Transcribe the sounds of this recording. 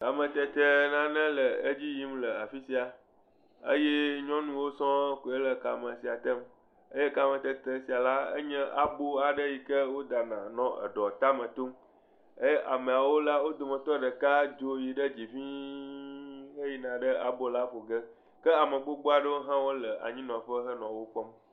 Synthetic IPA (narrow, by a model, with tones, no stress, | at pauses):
ka˨mə̃˨t̪ɛ˦t̪ə˦nã˦nə̃˦lə˨ə˦d͡ʑi˦ji˦mlə˨a˨fi˦si˦a˨ | ə̰˦jɛ˦ɲɔ̃˦nũ˦wo˦sɔ̃˦ko˨e˦lə˨ka˨mə̃˨si˨a˨t̪ə˦m | ə˦je˦ka˦mə̃˨t̪ə˦t̪ə˦si˨a˨la˦ə̰˦ɲɛ̃˦ʔa˨bo˦a˨ɖə˦ji˨kə˦wo˦d̪a˨nã˨nɔ̃˦ə̰˨ɖɔ˨t̪a˦mə̃˨t̪o˦m | ə˦ʔa˨mẽ˨a˨wo˦la˦wo˦d̪o˨mə̃˨t̪ɔ˦ɖə˨ka˦d͡ʒo˦ji˨ɖə˦d͡ʑi˨ɸĩ˦ | ɦə˦ji˨nã˨ɖə˦a˨bo˦la˦ɸo˨ɡə˦ | kə˦a˨mə̃˨ɡ͡bo˦ɡ͡bo˦a˨ɖə˦wo˦ɦã˦wo˦lə˨ʔa̰˨ɲĩ˦nɔ̃˨ɸə˦ɦə˦nɔ̃˨wo˦k͡pɔ˦m